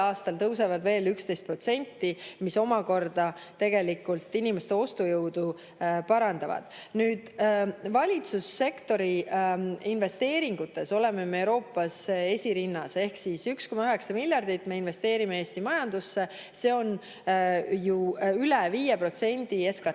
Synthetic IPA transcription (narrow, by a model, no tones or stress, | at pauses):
ɑːst̪ɑlt̪ɤwsevɑd̪ve̞ːlykst̪e̞jst̪̚pro̞t̪se̞nʲt̪ːimiso̞mɑko̞rd̪ɑt̪e̞ɡ̥e̞likːˑult̪ːinimest̪e̞o̞st̪ujɤwd̪̥u | pɑɾɑnd̪̥ɑvɑ̰d̪̥nyːd̪̥vɑlʲit̪susːe̞kt̪o̞ɾi | inve̞st̪e̞ːɾiŋɡ̥ut̪ːˑe̞so̞le̞memeewɾo̞ːpːˑɑse̞sʲiɾinːɑse̞hksisyksko̞mɑyɦe̞ksɑmilʲjɑrd̪̥it̪ːme̞inve̞st̪e̞ːɾimeeːst̪imɑjɑnd̪̥usːe̞ | se̞o̞n | juylɛviːjepro̞t̪se̞nʲd̪̥ie̞skɑ